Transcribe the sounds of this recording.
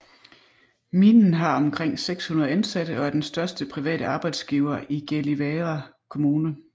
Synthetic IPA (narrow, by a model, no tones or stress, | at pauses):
minn̩ɦɑ̈ɒ̽mkʰʁeŋ̰seɡ̥shunɐð̞̩ˠænsæɾ̥əʔɒ̽æɐd̥ensd̥ɶɐsd̥əpʰʁiʋɛ̰ːɾəʔɑ̈ːb̥ɑ̈ɪd̥sɡ̥iːʊɐʔiɡ̥eliʋeʁa | kʰo̝muːnə